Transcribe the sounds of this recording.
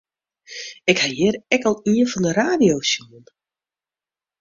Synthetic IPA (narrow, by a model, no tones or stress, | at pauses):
ɪkhajɪɾɛkɔlˠiənfɔndəɾaːdiowsjuən